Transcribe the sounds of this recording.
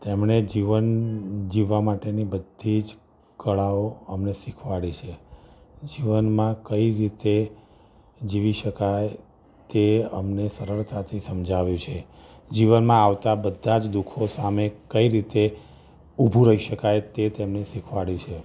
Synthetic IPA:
t̪emɳed͡ʒiʋənd͡ʒiʋːamaʈenibəd̪ʱid͡ʒ | kəɭaoəmnesikʰʋaɽit͡ʃʰe | d͡ʒiʋənmãkəiɾit̪e | d͡ʒiʋiʃəkaj | t̪eəmnesəɾəɭt̪ʰat̪ʰisəmd͡ʒʱaʋjũt͡ʃʰe | d͡ʒiʋənmãaʋt̪abəd̪ʱːad͡ʒd̪ukʰosamekəiɾit̪e | ubʱũɾəɦiʃəkajt̪et̪emnesikʰʋaɽit͡ʃʰe

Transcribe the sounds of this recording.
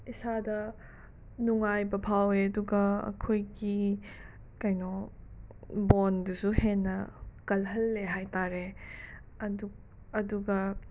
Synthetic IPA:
isadɐ | nuŋajbɐpʰaweɐduɡɐɐ̰kʰojɡi | kajnɔ | bondusuhenːɐkɐlɦɐlːeɦajtaɾe | ɐd | ɐduɡɐ

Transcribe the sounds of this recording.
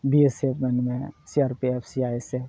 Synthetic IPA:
biesepʰmɛnmẽsiaːɾpiepʰsiaːesep

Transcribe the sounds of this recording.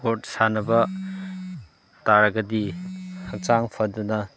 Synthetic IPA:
ot̚sanɐbɐ | taɾɐɡɐdihɐkt͡ʃaŋpʰɐdunɐ

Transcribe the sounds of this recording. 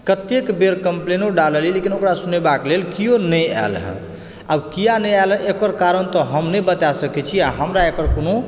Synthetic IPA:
kət̪ekbeɾkəmplenoɖaləlilekinokɾasunebaklelkijonəja̰lɦə̰̃ | a̰bkijanəjalɦɛ̃ʔekəɾkaɾənt̪ɔɦəmnəbət̪asəkɛt͡ʃʰiaɦəmɾaekəɾkono

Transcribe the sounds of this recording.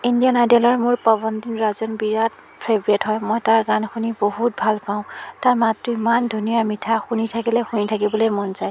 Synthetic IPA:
indijanajdalɔɹmʊɹpɔbɔndinɹazɔnbiɹat̚ | pʰebɹetɦɔjmɔjtaɹɡankʰunibohut̚bʱalpaʊ̃taɹmatɹuimandʱunijamitʰaxunitʰakilɛxunitʰak̬ibɔlojmɔnzaj

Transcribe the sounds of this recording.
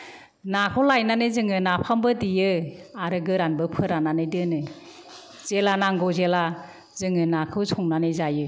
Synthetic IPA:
nakʰɯwlajnanɯzɯŋɯnapʰambɯdijɯaɾɯɡɯɾanbɯpʰɯɾananɯjdɯnɯ | z̥elanaŋɡɔzela | zɯŋɯnakʰɯwsʰɔŋnanɯjzajɯ

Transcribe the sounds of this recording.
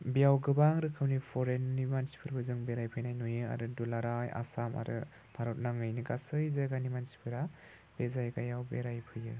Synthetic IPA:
bijawɡɯbaŋɾɯkʰɯwnipʰɔɾenːimansi̥pʰɯɾbɯzɯŋbeɾajpʰɯjnajnojɯa̰ɾɯdulaɾaja̰sama̰ɾɯ̰ | bʱaɾɔt̚naŋɯjniɡasɯjzajɡanimansi̥pʰɯɾa | b̥ezajɡajawbeɾajpʰɯjɯ

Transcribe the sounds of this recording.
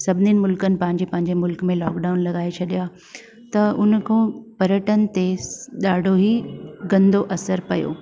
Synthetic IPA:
sɐbʱɪninɪ̆mʊlkənɪ̆pɐ̃ɦɪ̃ɲd͡ʑepɐ̃ɦɪɲd͡ʑemʊlkmẽlɔːkɖaːʊnlɐɠaːet͡ɕʰɐɗija | t̪ɐʊnkʰõːpɐɾjəʈənɪ̆t̪eɗaːɖʱoɦiɡɐ̃nd̪ʱoʔɐsəɾpɐjo̰ː

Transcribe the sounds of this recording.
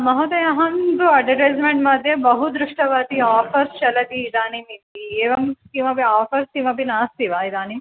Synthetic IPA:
mɐɦot̪ɐjɐɦɐnd̪uɐɖɐʈeːzmeɳʈmɐd̪ʱjɐbɐɦud̪ɾuʂʈɐʋaːt̪iaːfʰɐɾst͡ʃɐlɐt̪iːd̪aːnimint̪ieːʋɐmskiːmɐpiaːfʰɐɾsiːmɐbinaːst̪iʋaːid̪aːnim

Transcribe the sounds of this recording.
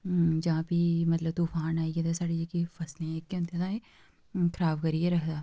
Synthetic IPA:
d͡ʒɐɦãːpimɐt̪ləb̚t̪uːfʰaːnaːied̪esaːɽid͡ʒekifɐslẽeːkːẽnt̪ẽd̪ãːe | kʰɾaːbkəɾieɾɐɦʰd̪aː

